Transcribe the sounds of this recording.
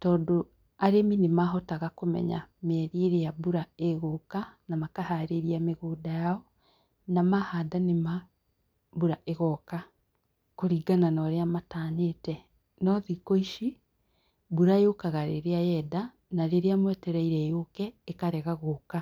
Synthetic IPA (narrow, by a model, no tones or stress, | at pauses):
tɔːdo | aɾeminemaɦɔtaɣakomɛ̰ɲa̰mɛɾieɾejabuɾaeɣokanamakahaɾeɾiameɣoːdajaɔ | namahadanema | buɾaʔeɣɔka | koɾiːɡananɔɾeamataːɲetɛ | nɔðikoiʃi | buɾaejokaɣaɾḛɾeajɛda | naɾeɾeamwɛtɛɾaiɾɛjokɛekaɾɛɣaɣoːka